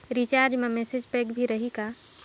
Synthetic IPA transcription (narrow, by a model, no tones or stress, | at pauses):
ɾit͡ʃaɾd͡ʒmemesed͡ʒpekbʱiɾəɦika